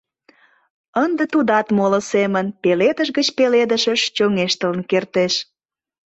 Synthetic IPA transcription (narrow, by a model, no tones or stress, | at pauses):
ənd̪ət̪ud̪ɑt̪molə̆semənpeled̪əʃɣət͡ɕpeled̪əʃəʃt͡ɕoŋeʃt̪ələ̆nkert̪eʃ